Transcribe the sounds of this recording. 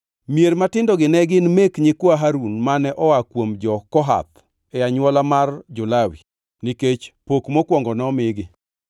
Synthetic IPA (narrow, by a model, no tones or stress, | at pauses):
mjeɾmatɪndɔɡɪnɛɡɪnmekɲɪkwaɦaɾunmanɛʔɔakwomd͡ʒɔkɔɦa̰t̪ | ɛaɲwɔlamard͡ʒʊlawi | niket͡ʃpokmokwɔŋɡɔnɛɔmɪɡɪ